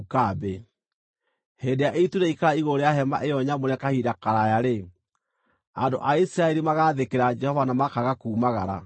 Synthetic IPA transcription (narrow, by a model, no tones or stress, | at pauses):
ukabe | heːndejaʔetuɾeikaɾaiɣoɾejaɦɛma̰ʔejɔɲamoɾɛkahiɾakaɾajaɾe | ando̰ʔaisiɾaɛɾimaɣaðekeɾad͡ʒɛhɔvanamakaɣakuːmaɣaɾa̰